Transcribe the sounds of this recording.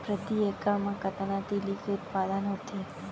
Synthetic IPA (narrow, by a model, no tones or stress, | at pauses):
pɾəd̪iekamãkət̪anat̪ilikeʊt̪̚pad̪ənot̪ʰi